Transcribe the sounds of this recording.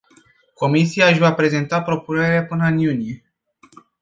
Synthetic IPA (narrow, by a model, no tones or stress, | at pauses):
ko̞misiaɨʃʲvapɾe̞ze̞nt̪apɾo̞pune̞ɾeapɨnəɨnjunije̞